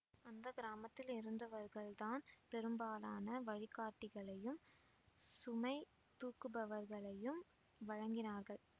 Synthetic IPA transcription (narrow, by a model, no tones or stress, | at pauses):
ɐnd̪ɐɡɪɾaːmɐt̪ːɪlɪɾɯnd̪ɐʋɐɾɣɐɭt̪aːnpɛɾɯmbaːlaːnɐʋɐɻɪkːaːʈːɪɣɐɭɐjɯm | sʊmɐɪ | t̪uːkɯbɐʋɐɾɣɐɭɐjɯm | ʋɐɻɐŋɡɪnaːɾɣɐɭ